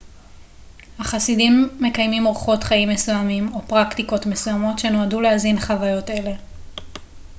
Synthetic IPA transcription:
haχasidimːe̞kajmimʁuχo̞tχaimːesujamimo̞pʁaktiko̞tme̞sujamo̞tʃe̞no̞aduleazinχavajo̞te̞le̞

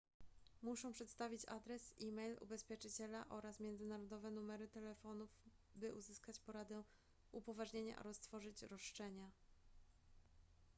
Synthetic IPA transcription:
muʂɔ̃w̃pʂɛt̪st̪avʲit͡ɕa̰d̪ɾɛsimɛjlṵbɛspʲjɛt͡ʂɘt͡ɕɛlaʔɔɾasmʲjɛnd̪zɘnaɾɔd̪ɔvɛnumɛɾɘt̪ɛlɛfɔnuv | bɘʔuzɘskat͡ɕpɔɾad̪ɛ | upɔvaʐɲeɲa̰ʔa̰ɾɔst̪fɔʐɘt͡ɕɾɔʂt͡ʂɛɲa

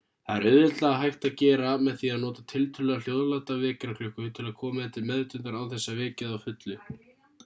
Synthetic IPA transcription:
θaðɛɾʏðɪt̪laɣaɦajht̪aðcɛːɾamɛðθiaðnɔːt̪at̪ʰɪlt̪ʰʏlːɛɣal̥jowðlat̪avɛːcɾaklʏkːʏt̪ʰɪlaðkʰɔːmaθɛn̥t̪ɪɾmɛðɾɪt̪ʏnt̪aɾawθɛsːavɪːcɪðawfʏt̪lʏ

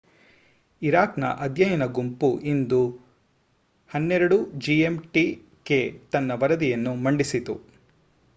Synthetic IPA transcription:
iɾaːknɐ̰ʔɐd̪jɐjɐnɐɡumpuʔind̪u | hɐnːɛɾɐɽud͡ʒiemʈi | ket̪ɐnːɐʋɐɾɐd̪ijɐnːumɐɳɖisit̪u

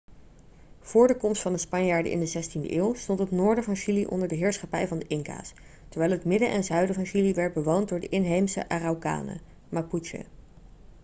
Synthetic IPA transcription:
v̥ʊːɹdəkɔmstfɑndəspɑɲjaːɹdə̰ʔɪ̰ndəzɛstində̰ʔɪːwˠstɔntɦətnʊːɹdəvɑnʃiliʔɔ̰ndəɹdəɦɪːɹsχɑpɛjvɑndəʔɪŋka̰ːs | tɛɹʋɛjlɦətmɪdəʔɛnzœɥdəvɑnʃiliʋɛɹt̚bəʋowntdʊːɹdəʔɪnɦejmsə̰ʔaːrawka̰ːnə̰ | mapuʃə̰

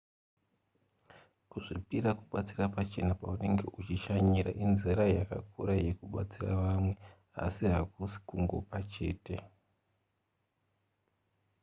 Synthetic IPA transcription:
kuʐipiɾakuɓat͡sirapat͡ʃe̞napaune̞ŋɡe̞̰ʔut͡ʃiʃaɲiɾa̰ʔinziɾajaka̰kʰuɾaje̞kuɓa̰t͡sira̰ʋamwe̞ | a̰siɦak̚usi̥kuŋɡo̞̰pat͡ʃe̞̰ːte̞

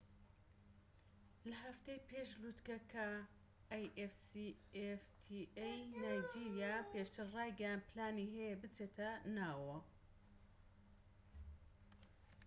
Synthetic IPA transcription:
lɐɦɐft̪ejpʰeːʃlut̪kɐkʰɐː | jʔefsieft̪ʰiejnaːjd͡ʒiːɾjapeːʃt̪ʰɨɾrɑːjɡɐjaːnd̪̚pʰlaːniɦɛjebɨt͡seːt̪ʰɐnaːwɐ

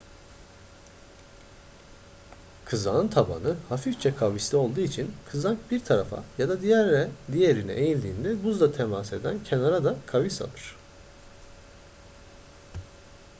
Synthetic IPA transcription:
kʰɯzaːnt̪ʰaba̰nɯhafift͡ʃʰɛkʰavislʲio̞lˠd̪uːit͡ʃʰinkʰɯzaŋkbiɾt̪ʰaɾafa̰jad̪ad̪ijæɾlɛd̪ijeɾinɛ̰ʔejilʲd̪iːnd̪ɛbuzd̪ˠat̪ʰemase̞d̪æncʰenaɾad̪akʰavisa̰lˠɯɾ̥

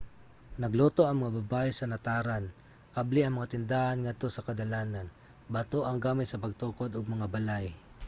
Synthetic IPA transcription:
nɐɡloːt̪o̞ʔɐŋmɐŋabɐbaːʔɛsɐnɐt̪aːɾan | ʔabliʔɐŋmɐŋat̪ɪnd̪aːhɐnŋɐd̪̚t̪o̞sɐkɐd̪ɐlaːnɐn | bɐt̪oʔɐŋɡaːmɪt̪̚sɐpɐɡ̚t̪oːko̞d̪oɡ̚mɐŋabɐlaj

